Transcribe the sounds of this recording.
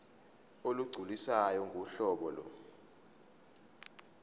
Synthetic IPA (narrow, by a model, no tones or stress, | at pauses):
oluɡ͡ǀʱulisajɔŋɡʱuɬɔːɓɔlɔ̰